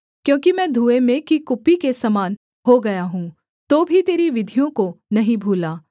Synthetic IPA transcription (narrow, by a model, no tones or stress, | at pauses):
kjõːkimɛ̃ːd̪ʱuːemẽkikʊpikesɐmaːn | hoɡɐjaɦũː | t̪oːbʱit̪eːɾiʋɪd̪ʱijõkonɐɦĩbʱuːlaː